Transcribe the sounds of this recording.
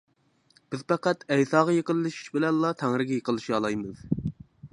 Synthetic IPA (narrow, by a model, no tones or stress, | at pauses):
b̥ɪzpɑqæt̪ɛjsɑːʁɑjeqəlˠːɨʃi̥ʃbɪlɛnlˠɑt̪ʰæŋɾɪɡʲɛjeqəlˠːɨʃiɑlˠɑjmɨz̥